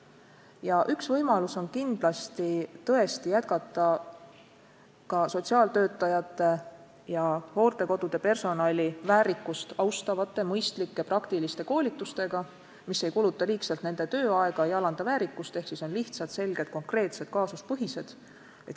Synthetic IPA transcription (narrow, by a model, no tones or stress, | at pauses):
jɑʔyksvɤjmɑluso̞nkind̪̥lɑst̪it̪ɤe̞st̪ijæt̪̚kɑt̪ːˑɑ | kɑso̞t̪ʲsiɑːlt̪ø̞ːt̪ːˑɑjɑt̪ːˑe̞ | jɑho̞ːrt̪e̞ko̞d̪̥ud̪̥e̞pe̞rso̞nɑlʲivæːɾikːˑust̪ɑwst̪ɑvɑt̪ːˑe̞mɤjst̪likːe̞prʔɑkt̪ilist̪e̞ko̞ːlʲit̪ːˑust̪e̞ɡ̥ɑ | misːe̞jkulut̪ːˑɑliːksɑlt̪ne̞nd̪̥e̞t̪ø̞ːɑe̞ɡ̥ɑejɑlɑnd̪̥ɑvæːɾikːˑust̪e̞hksiso̞nliht̪sɑt̪se̞lɡ̥e̞d̪̥̚ko̞ŋkre̞ːt̪se̞d̪̥̚kɑːsuspɤɦise̞d̪̥ | et̪